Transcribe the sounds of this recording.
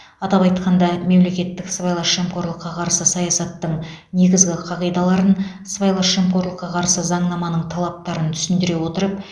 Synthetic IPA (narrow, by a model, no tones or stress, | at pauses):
ɑt̪ɑpɑjt̪qɑnd̪ɑme̞mle̞kʲe̞t̪ːɪksvajlˠɑemqo̞ɾlˠəqːɑqʰɑɾsəsɑjɑsɑt̪ːəɴ | ne̞ɡʲɪzɡʲɪqʰɑʁijd̪ɑlˠɑɾən | svɑjlˠɑʃemqo̞ɾlˠəqːɑqʰɑɾsəzɑɴnɑmɑnəɴt̪ʰɑlˠɑp̚t̪ɑɾənt̪ʰʏ̥sɪnd̪ɪɾe̞wo̞t̪əɾəp̚